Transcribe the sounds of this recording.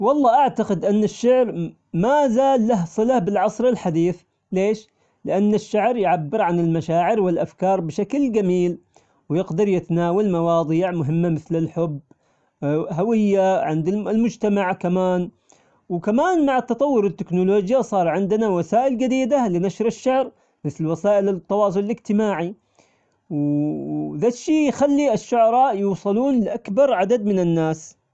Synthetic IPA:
wɑlˤːɑːʔaʕt̪aqɪd̪ʔanːɪʃːaʕɾ | mazaːlːaɦsˤɨlahbɪlʕɑsˤɾɪlħad̪iːθ | leːʃ | lɪʔanːɪʃːaʕɾjʕabːɪɾʕanɪlmaʃaːʕɪɾwɪlʔafkɑːɾˤbɪʃakld͡ʒamiːl | wjɪɡd̪ɑɾˤjɪt̪anaːwalmɑwɑːðˤiːʕmʊɦɪmːamɪθlɪlħʊbː | ɦawɪjːaʕɪnd̪ɪlmʊd͡ʒt̪amaʕkamaːn | wkamaːnmaʕat̪ːɑt̪ˤɑwːʊɾɪt̪ːɪknʊloːd͡ʒjasˤɑːɾˤʕɪnd̪ɪnawasaːʔɪld͡ʒad̪iːd̪alɪnaʃɾɪʃːaʕɾ | mɪθlwasaːʔɪlɪt̪ːɑwɑːs̬ˤʊlɪlɪd͡ʒt̪ɪmaːʕi | w | ðaʃːiːjxalːiɪʃːʊʕɑɾˤɑːʔjuːsˤɨluːnlɪʔakbɑɾˤʕad̪ad̪mɪnɪnːaːs

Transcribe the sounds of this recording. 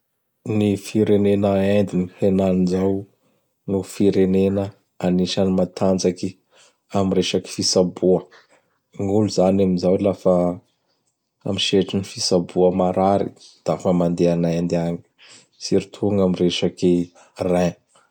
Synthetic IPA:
nifiɾenenəend̪inihenanizaw | nufiɾenenə | aniʃanimat̪ʰand͡zaki | amireʃaki̥fisabuə | ŋuluzanaminzawlafa | amiʃeʈ͡ʂinifisabuəmaɾaɾḭd̪̥afəmand̪eanajand̪eaŋi̥ | siɾit̪ʰuŋamireʃaki | ra

